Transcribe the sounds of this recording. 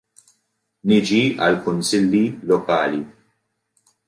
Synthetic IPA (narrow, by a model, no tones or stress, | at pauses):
nɪd͡ʒiɐ̰lkʊnsɪlːilɔkɐːli